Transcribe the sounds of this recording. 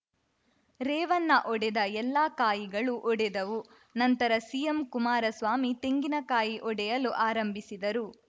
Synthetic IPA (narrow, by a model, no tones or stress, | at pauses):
ɾɛːʋɐnːɐʔɔɽɛd̪ɐɛlːaːkaːjiɡɐɭuʔɔɽɛd̪ɐʋu | nɐnt̪ɐɾɐsijɐmkumaːɾɐsʋaːmit̪eŋɡinɐkaːjiʔɔɽɛjɐluʔaːɾɐmbʱisid̪ɐɾu